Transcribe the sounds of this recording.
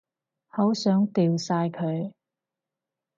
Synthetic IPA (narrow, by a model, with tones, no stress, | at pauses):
ho˨˥wsœː˨˥ŋt̪iː˧wsaː˧jkʰɵ˨˧ɥ